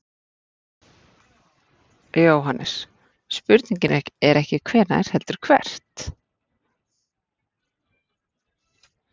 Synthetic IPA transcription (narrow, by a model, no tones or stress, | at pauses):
joːwɦanʔɛ̰ɾ̥ | spʏɾt̪niɲcɪnɛhcɛɾɛhcɪkʰvɛːɾna̰jɾ̥hɛlt̪ʏɾ̥kʰvɛ̰r̥t̪